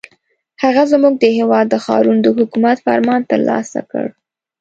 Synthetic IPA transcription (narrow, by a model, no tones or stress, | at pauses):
haɣazmuɡ̚d̪əhewɑd̪ːəxɑ̰ɾund̪əhʊkumat̪fa̰ɾmɑnt̪əɾlɑ̰sa̰kə̰ɽ